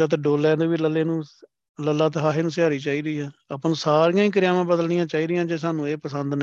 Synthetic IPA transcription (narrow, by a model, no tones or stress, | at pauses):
aːt̪̬eɖoːlɛːneːʋiːləlːeːnũː | ləlːaːt̪eɦaːɦeːnũːsɪɦaːɾiːt͡ʃaːiːɾəiːɦɛːəpnũːsaːɾijãːĩːk̬əɾɪjaːmãːbəd̪əlnɪjãːt͡ʃaːiːɾɪjãːd͡ʒeːsaːnũːeːpəsənd̪n